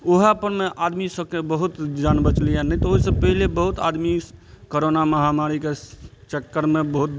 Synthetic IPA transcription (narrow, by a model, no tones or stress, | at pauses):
oɦapəɾmeʔad̪misəb̚kebəɦut̪d͡ʒanbət͡ʃlijanəɦt̪ɔoɦisəb̚pəɦilebəɦut̪a̰d̪mikoɾonaməɦamaɾiket͡ʃəkːəɾmebəɦut̪̚